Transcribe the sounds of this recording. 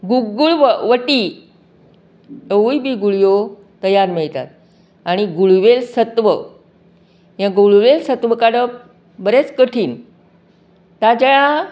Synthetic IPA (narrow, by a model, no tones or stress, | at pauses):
ɡuɡuɭʋəʋəʈi | əujbiːɡuɭjo | t̪əjaɾmeɭt̪a̰t̪̚ | aɽ̃iɡuɭʋelsət̪ʋə | jãɡuɭuʋelsət̪ʋəkaɽəp | bəɾet͡skəʈʰiːn | t̪ad͡ʑaja